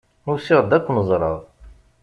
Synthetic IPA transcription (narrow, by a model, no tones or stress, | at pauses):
nusiʁˤd̪ækʷːnəzˤɾˤɑ̰ðˤ